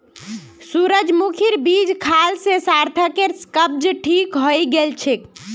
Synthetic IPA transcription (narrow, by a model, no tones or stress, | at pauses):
suɾəd͡ʒmukʰiɾbid͡ʒkʰalsesaɾt̪ʰəkeɾskəb̚d͡ʒʈʰikɦojɡelt͡ʃʰek